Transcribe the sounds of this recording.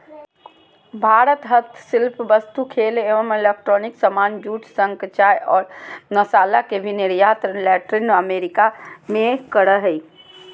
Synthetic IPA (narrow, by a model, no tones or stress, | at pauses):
bʱaɾət̪ɦət̪ʰsilpʋəst̪ukʰeleʋəmelek̚ʈɾɔniksəmand͡ʒuʈʰsəŋkt͡ʃajɔːɾnəsaːlakebʱineɾjat̪ɾəlɛʈɾinəmeɾikamekəɽəɦəi